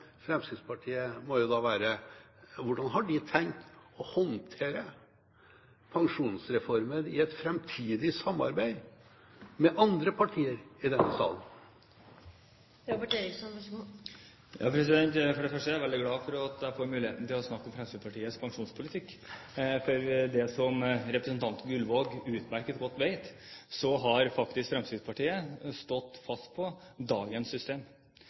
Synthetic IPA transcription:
fɾɛmsɪd̪spʰɑʈʰiːəmɔjʊd̪ɑːʋæːɾə | ʋʊɖɑnɦɑɖɪt̪ʰɛŋt̪ɔhɔnt̪ʰeːɾə | pʰɑŋʂuːnsɾɛfɔɾməɾɪɛt̪fɾɛmt̪ʰiːd̪ɪsɑmːɑ̰ɾbæɪ | mɛʔɑnd̪ɾəpʰɑʈʰiːəɾɪd̪ɛnsɑ̰ːlən | ɾɑpɔʈeɾɪsɔn | jɑ̰ːpʰɾɛsɪd̪ɛnt̪fɔɖɛfœʂʈəæɾʋɛld̪ɪɡlɑːfɔɾɑt̪d̪æɪfoːɾmʉːlɪheːt̪n̩t̪ɪlɔsnɑkːɔmfɾɛmst̪iːspʰɑʈʰiːəspʰɑŋʂuːnspʰʊlɪt̪ʰɪkːfɔɾd̪ɛsɔmɾɛpɾɛsnt̪ʰɑnt̪ɡʉlʋoːɡʉːt̪mæɾkət̪ɡɔt̪ːʋeɪt̪sɔɦɑɾfɑkt̪ɪskfɾɛmst̪iːd̪spɑʈiːəst̪ɔt̪ːfɑst̪̚pʰɔd̪ɑːɡənsːʏst̪eːm

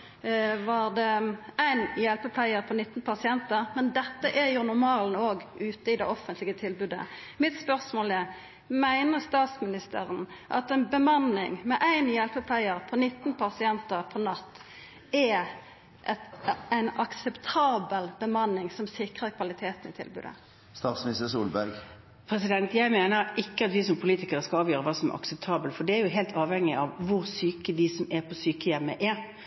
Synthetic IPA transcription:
ʋɑɾd̪ɛæɪnjɛlpəpʰlæɪəɾpʰɔnɪt̪ːnpʰɑsɪɛnt̪əʁmɛnd̪ɛt̪ːəʔæjʊnʊɾmɑːlnoːɡʉːt̪əɪd̪ɛʔɔfənt̪lɪɡət̪ʰɪlbʉːd̪ə̰mɪt̪spœʁsmoːlæʁ | mæɪnəʁst̪ɑːt̪smɪnɪst̪ʰə̰ʁənʔɑ̰t̪ɛɪnbəmɑnːɪŋmɛʔæɪnjɛlpəpʰlæɪəʁpʰɔnɪt̪ːn̩pʰɑsɪɛnt̪əʁpʰɔnɑt̪ː | ɛ | ʔɛt̪æɪnɑksɛpt̪ʰɑːbəlb̥əmɑnːɪŋsɔmsɪkʁəɾkʰʋɑlɪt̪ʰeːt̪n̩ɪt̪ʰɪ̰lbʉ̰ːd̪ə̰ | st̪ɑːt̪smɪnɪst̪əsuːlbæɾɡ | pʰɾɛsɪd̪ɛnt̪jæɪmeːnəɾʔɪkːəɑt̪ʋɪsɔmpʰʊliːt̪ɪkəʁəskɑlɑːʋjøːʁəʋɑːsɔmæ̰ɾʔɑ̰ksəp̚t̪ʰɑːbəlt̪fɔɖ̪ɛæɾjʊɦelt̪ʰɑːʋhɛŋːɪʔɑʋʋʊʁsyːkəd̪ɪsɔmæʁpʰɔsyːkəjɛmːəʔæɾ

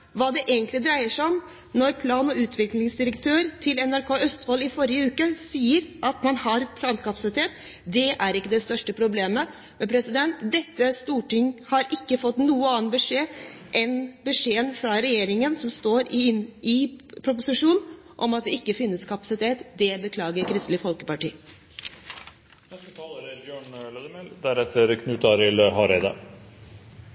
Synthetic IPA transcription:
ʋɑːd̪ɛʔeːɡənt̪lɪd̪ɾæɪəʂɔm | nɔɾpʰlɑːnɔʉːt̪ʰʋɪklɪŋsd̪ɪɾəkt̪ʰøːɾt̪ʰɪlɛnæɾkʰoːœst̪ʋɔlɪfɔɾɪjəʉːkəsiːəɾʔɑt̪mɑnhɑɾpʰlɑːnkɑpɑsɪt̪ʰeːt̪ | d̪ɛʔæɾɪkːəd̪ɛst̪œʂʈəpʰɾʊbleːmə | mɛpʰɾɛsɪd̪ɛnt̪d̪ɛt̪ːəst̪uːʈɪŋːhɑɾɪkːəfɔt̪ːnuːəɑːnbəʂeː | ʔɛnbəʂeːənfɾɑɾɛjeːɾɪŋənsɔmst̪oːɾɪpʰɾʊp̬ʊsɪʂuːnn̩ | ʔɔmɑt̪̚d̪ɛɪkːəfɪnːəskʰɑpɑsɪt̪ʰeːt̪d̪ɛbəkʰlɑːɡəɾkʰɾɪst̪lɪfɔlkəpɑʈiː | ɛsəkʰɑlːəɾbjøːɳlɛd̪əmɛld̪æɾɛt̪ʰːəɾkʰnʉːt̪ɑɾɪlɦɑɾɛɪd̪ɑ̰

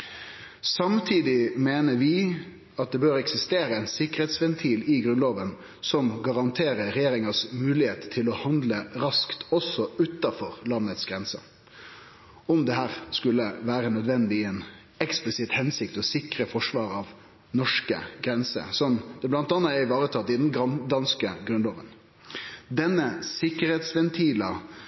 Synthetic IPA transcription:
sɑmt̪ʰiːd̪ɪmeːnəʋɪ | ɑt̪̚d̪ɛbøːɾɛksɪst̪eːɾəɛnsɪkəɾheːt̪sʋɛnt̪ʰiːlɪɡɾʉnloːʋən | sɔmɡɑʁɑnt̪ʰeːɾəɾɛjeːɾɪŋɑsmʉːlɪheːt̪t̪ʰːɪlɔhɑnd̪ləɾɑskt̪ɔsɔʉt̪ːɑfɔɾlɑnːət̪sɡɾɛnsə̰ | ɔmd̪ɛhæːɾskʉlːəʋæːɾənœd̪ʋɛnd̪ɪɛn | ɛksplɪsɪt̪hɛnsɪk̚t̪ɔsɪkɾəfɔʂʋɑːɾɑʋ | nɔʂkə̰ɡɾɛnsə̰sɔmd̪̥ɛblɑnt̪ɑnːɑɛɪʋɑːɾət̪ʰɑt̪ːɪd̪ɛnɡd̪ɑnskəɡɾʉnloːʋən | d̪ɛnːəsɪkːəɾheːt̪sʋɛnt̪ʰiːlɑ

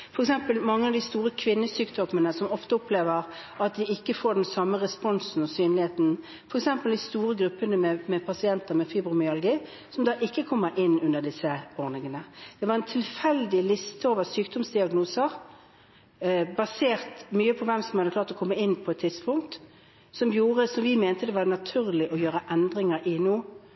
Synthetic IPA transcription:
fɔɾɛksɛmpəlmɑŋːəɑʋd̪ɪst̪uːʁəkʰʋɪnːəsyːkt̪ɔmːənəsɔmɔft̪əɔpʰleːʋəʁ | ɑt̪̚d̪ɪɪkːəfoːɖɛnsɑmːəʁɛspɔnsn̩ɔsyːnlɪheːt̪n̩ | fɔɾɛksɛmpəld̪ɪst̪uːɾəɡɾʉpːənəmɛmɛpʰɑsɪɛnt̪əʁmɛfyːbɾʊmɪɑlɡiː | sɔmd̪ɑːʔɪkːəkʰɔmːəɾʔɪnːʉnəd̪ɪsəɔʁnɪŋənəd̪̥ɛʋɑʁɛnt̪ʰɪlfɛld̪ɪlɪst̪əoːʋəsyːk̚d̪ɔmsd̪ɪɑɡnuːsəʁ | bɑseːʁt̪myːəpʰɔʋɛmsɔmhɑd̪əklɑːʁɾt̪ɔkʰɔmːəɪnːpʰɔɛt̪ʰːɪd̪spʰʊŋk̚t̪ | sɔmjuːʁəsɔmʋɪmɛːnt̪əd̪ɛʋɑdnɑt̪ʰʉːʁlɪʔɔjøːɾəʔɛnd̪ɾɪŋəɾʔɪnoː

